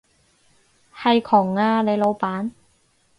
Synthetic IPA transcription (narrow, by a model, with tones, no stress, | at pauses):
hɐ˨˧jkʰɔː˨˩ŋːaː˧le˨˧jlo˨˧wpaː˨˥n